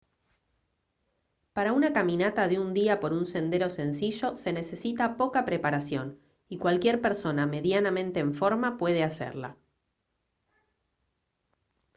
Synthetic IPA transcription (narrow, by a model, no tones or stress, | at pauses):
paɾaunakamĩnat̪aðeund̪iapo̞ɾunse̞nd̪e̞ɾose̞nsiʒo̞se̞ne̞se̞sit̪apo̞kapɾe̞paɾasjo̞̰n | ikwalkje̞ɾpe̞ɾso̞name̞ðjanamẽ̞nt̪e̞ːɱfo̞ɾmapwe̞ð̞e̞asḛɾla̰